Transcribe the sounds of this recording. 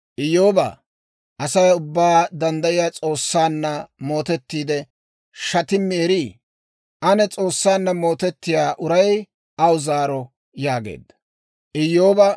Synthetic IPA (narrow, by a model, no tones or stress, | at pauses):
ʔɪjːoːbɐ̰ | ʔɐsɐjʊbːaːd̪ɐnd̪ɐʔɪjaːt͡sʼo̞ːsːaːnːɐmo̞ːt̪ɛt̪ːiːd̪ɛ | ʃɐt̪ɪmːeːɾi | ʔɐnɛt͡sʼo̞ːsːaːnːɐmo̞ːt̪ɛt̪ːɪjaːʔʊɾɐj | ɐwʊzaːɾɔ | jaːɡḛːd̪ːɐ̥ | ʔɪjːo̞ːbɐ